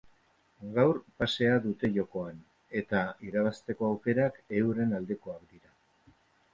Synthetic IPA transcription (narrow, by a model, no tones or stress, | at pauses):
ɡawɾpase̞aðut̪e̞ʝo̞ko̞an | e̞t̪aiɾaβ̞ast̪e̞ko̞awke̞ɾake̞wɾe̞nald̪e̞ko̞akd̪iɾa